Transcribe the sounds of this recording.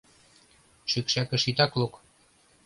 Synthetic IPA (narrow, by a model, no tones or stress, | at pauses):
ʃykʃækɘ̆ʃit̪ɑklok